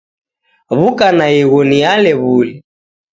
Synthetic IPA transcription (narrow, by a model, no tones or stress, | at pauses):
βukanaiɣɔnialɛβulɛ